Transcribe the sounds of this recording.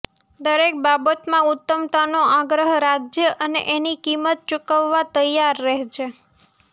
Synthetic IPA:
d̪əɾek̚babət̪mãʊt̪ːəmt̪anoaɡɾəɦɾad͡ʒjəʔənḛʔenikimət̪̚t͡ʃukəʋːat̪əjaɾːəɦt͡ʃʰe

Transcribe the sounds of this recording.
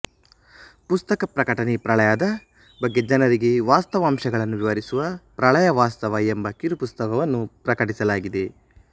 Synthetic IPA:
pust̪ɐkɐpɾɐkɐʈɐnepɾɐɭɐjaːd̪ɐ | bɐɡːe̞d͡ʒɐnɐɾiɡe̞ʋaːst̪ɐʋaːmʃɐɡɐɭɐnːuʋiʋɐɾisuʋɐpɾɐɭɐjɐʋaːst̪ɐʋɐembɐkiɾupust̪ɐkɐʋɐnːupɾɐkɐʈisɐlaːɡid̪e̞

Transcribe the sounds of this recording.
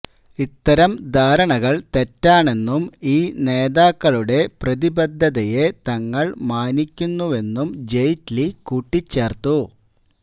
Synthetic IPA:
it̪ːɐɾɐmd̪ʱaːɾɐɳɐɣɐɭt̪e̞tːaːɳe̞nːumiːne̞ːðaːkːɐɭuɽe̞prɐðibɐd̪ʱːɐðɐje̞t̪ɐŋːɐɭmaːnikʲːunːuʋe̞nːumd͡ʑejtlikuːʈːit͡ɕːe̞ːrt̪u

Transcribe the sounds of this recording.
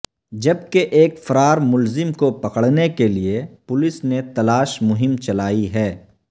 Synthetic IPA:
d͡ʒɐb̚keʔeːkfɐɾaːɾmʊlzɪmkopɐqəɽ̤nekeliepʊlɪsnet̪ɐlaːʃmʊɦɪmt͡ʃɐlaːiɦɛː

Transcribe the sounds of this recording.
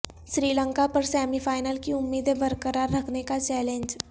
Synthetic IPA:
ʃɾiːlə̃ŋkapɐɾsɛːmifʰaːɪnəlkiʊmːiːd̪ebɐɾkəɾaːɾːɐkʰnekat͡ʃɛːlẽɲd͡ʒ

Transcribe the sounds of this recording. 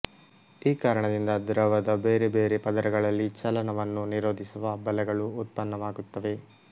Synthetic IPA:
iːkaːɾɐɳɐd̪ind̪ɐd̪ɾɐʋɐd̪ɐbeːɾebeːɾepɐd̪ɐɾɐɡɐɭɐlːit͡ʃɐlɐnɐʋɐnːuniɾoːd̪ʱisuʋɐbɐlɛɡɐɭuːt̪̚pɐnːɐʋaːɡut̪ːɐʋe̞

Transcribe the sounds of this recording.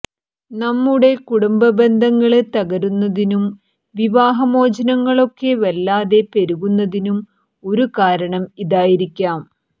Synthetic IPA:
nɐmːuɽe̞kuɽumbɐbe̞nd̪ʱɐŋːɐɭt̪ɐɣɐɾunːɐðinum | ʋiʋaːɦɐmo̞ːd͡ʑɐnɐŋːɐɭo̞kːe̞ʋɐlːaːðe̞pe̞ɾuɣunːɐðinum | o̞ɾukaːɾɐɳɐmiðaːjiɾikʲːaːm

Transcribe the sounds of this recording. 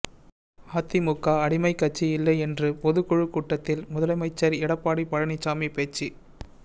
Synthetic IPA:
aːt̪ːimʊkːaːɐɽɪmɐɪkːɐt͡ʃːiɪlːɐɪɛndrɯpɔðɯkɔɻɯkuːʈːɐt̪ːɪlmʊðɐlɐɪmɐɪt͡ʃːɐɾɪɽɐpːaːɽipɐɻɐnit͡ʃːaːmipeːt͡ʃːi

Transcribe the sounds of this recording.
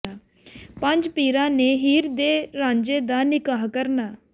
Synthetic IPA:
aː | pə̃ɲd͡ʒpiːɾãːneːɦiːɾd̪eːɾãːɲd͡ʒeːd̪aːnɪkaːɦkəɾnaː

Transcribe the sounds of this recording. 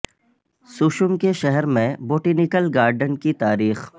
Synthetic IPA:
sʊʃʊmkeʃɛɦɛɾmẽboːʈinɪkəlɡaːɾɖənkit̪aːɾiːx

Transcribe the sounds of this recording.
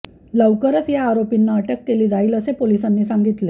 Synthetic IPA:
ləʋkəɾət͡sjaːɾopinːaəʈəkːeliːd͡zaiːləsepolisanːiːsaŋɡit̪le

